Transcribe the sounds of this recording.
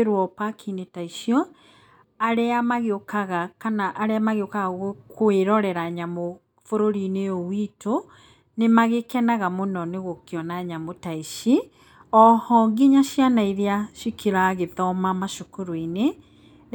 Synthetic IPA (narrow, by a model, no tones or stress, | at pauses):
ɾwɔpakʰinetaiʃjɔ | aɾeamaɣeokaɣakanaʔːɾeamaɣeokaɣaɣokweɾɔɾɛɾaɲamo | foɾoɾineowitʰo | nemaɣekɛnaɣamonɔneɣokeɔnaɲamotaiʃi | ɔhɔŋɡiɲaɕjanaiðeaʃikiɾaɣeðɔmamaʃokoɾoine